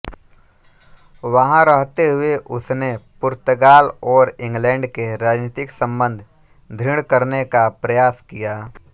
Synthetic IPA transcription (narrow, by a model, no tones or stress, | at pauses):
ʋəɦãɾəɦt̪eɦʊeʔʊsnepʊɾt̪əɡaːlɔːɾɪ̃ŋɡlɛ̃ːɳɖkeɾaːd͡ʒniːt̪ɪksə̃mbə̃nd̪ʱ | d̪ʱɪɽ̃kəɾnekapɾəjaːskijaː